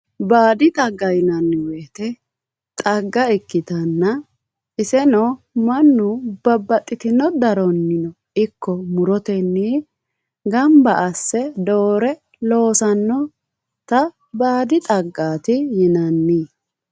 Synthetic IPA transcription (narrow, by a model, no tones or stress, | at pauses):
baːd̪ɪt̪ʼɐɡːɐjɪnɐnːɪweːt̪ɛ | t̪ʼɐɡːɐɪkːɪt̪ɐnːɐ | ʔɪsɛnɔ | mɐnːʊbɐbːɐt̪ʼːɪt̪ɪnɔd̪ɐɾɔnːɪnɔ | ɪkːɔmʊɾɔt̪ɛnːiː | ɡɐmbɐʔɐsːɛd̪oːɾɛ | lo̞ːsɐnːɔ | t̪ɐ | baːd̪ɪt̪ʼɐɡːaːt̪ɪjɪnɐnːiː